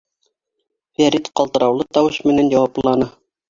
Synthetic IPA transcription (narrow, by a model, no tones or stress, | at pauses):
væɾit̪qɑlˠt̪ɤ̆ɾɑwlˠɤt̪ɑwɤʃmɘ̆nænjɑwɑplˠɑnɤ